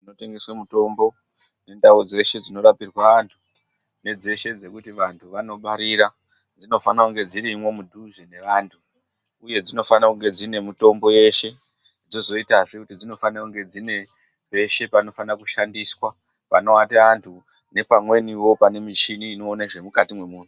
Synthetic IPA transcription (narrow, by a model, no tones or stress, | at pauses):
inote̞ŋɡe̞swemuto̞mbo̞ | ne̞ndaud͡ze̞ʃe̞d͡zino̞ɾapirwaʋantʰu̥ | ne̞d͡ze̞ʃe̞d͡ze̞kutiʋantʰuʋano̞ɓaɾiɾa | d͡zino̞fanakuŋɡe̞d͡ziɾimwe̞mudʱuʐene̞ʋaːntʰuː | je̞d͡zino̞fanakuŋɡe̞d͡zine̞mito̞mbo̞je̞ʃe̞ | d͡zozo̞itaʐikutid͡zino̞fanakuŋɡe̞d͡zine̞ | ʋe̞ʃe̞pano̞fanakuʃandiswa | pano̞ateantʰu | ne̞pamwe̞niwo̞pane̞mit͡ʃiniːno̞ːnaʐe̞mukatimwe̞muːnu